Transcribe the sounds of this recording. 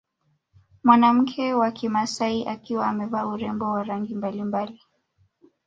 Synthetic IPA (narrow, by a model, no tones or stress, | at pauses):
mwanam̩kʰɛwakimasaiʔakiwaːmɛvauɾɛmbɔwaɾaŋɡimbalimbali